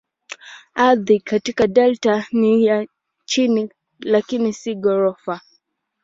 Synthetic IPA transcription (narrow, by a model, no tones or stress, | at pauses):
aðikatikaɗɛltanija | t͡ʃini | lakinisiɡɔɾɔfa